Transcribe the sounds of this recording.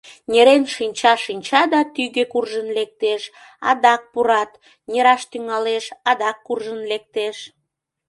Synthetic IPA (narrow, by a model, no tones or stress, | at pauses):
nʲeɾenʃinʲt͡ɕɑʃinʲt͡ɕɑd̪ɑt̪yɣekurʒənlek̚t̪eʃ | ɑ̰d̪ɑk̚puɾɑt̪ | nʲeɾɑʃt̪yŋɑleʃɑd̪ɑkːurʒənlek̚t̪eʃ